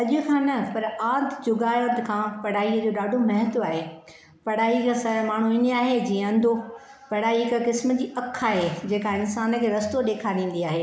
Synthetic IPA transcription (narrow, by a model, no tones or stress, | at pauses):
ɐʄʊkʰãːnɐpɐɾaːd̪ʱd͡ʑʊɡaːjot̪kʰãːpɐɽ̤aːid͡ʑoɗaːɖʱomɐɦət̪oaːɦe | pɐɽ̤aːikasɐmaːɳ̤uɪneaːɦed͡ʑĩːə̃ɐ̃nd̪ʱo | pɐɽ̤aːikəkɪsm̆d͡ʑiːʔɐkʰːaːɦed͡ʑeːkaɪnsaːnkʰeːɾɐst̪oɗeːkʰaɗĩːn̆d̪iaːɦeː